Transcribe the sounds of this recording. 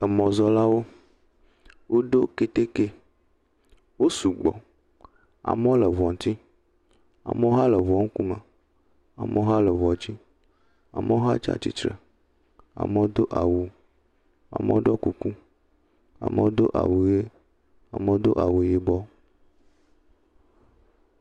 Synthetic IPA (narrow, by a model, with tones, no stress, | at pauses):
ɛ˨mɔ̃˨zɔ˦la˦wo˦ | wʔo˦ɖo˦ke˦t̪e˦ke˦ | wo˦su˨ɡ͡bɔ̰˨ | a̰˨m˦lə˨vɔ˨ŋ˨t̪i˦ | a̰˨me˦o˦ɦa˦lə˨vɔ˨˦ŋ̩˦ku˦mə̰˨ | a̰˨me˦o˦ɦa˦lə˨vɔ˨d͡ʑi˦ | a̰˨me˦o˦ɦa̰˦t͡ʃa̰˦t͡ʃḭ˦t̪ɾə̰˨ | a̰˨mə˦wo˦d̪o˦ʔa˨wu˨ | a̰˨mḛ˦o˦ɖɔ˦ku˨ku˦ | a̰˨mə˦wo˦d̪o˦ʔa̰˨wu˨je˦ | a̰˨me˦o˦d̪o˦ʔa̰˨wu˨je˨bɔ˦